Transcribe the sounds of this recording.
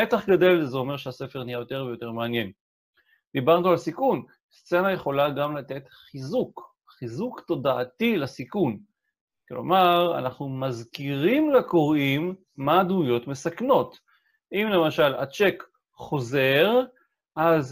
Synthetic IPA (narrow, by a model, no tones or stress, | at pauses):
etaχɡade̞lzeo̞meʁʃease̞feʁnijajo̞te̞ʁvejo̞te̞ʁmeanje̞n | d̪̥ibaʁnualsikun | st͡se̞naje̞χo̞laɡamlat̪e̞t̪χizuk | χizukt̪o̞daːtilasikun | klo̞̰maʁa̰naχnumazkiʁimlako̞ʁimː | admujo̞tme̞sakno̞t | ʔimle̞maʃala̰t͡ʃe̞k | χo̞ze̞ʁ | ʔaz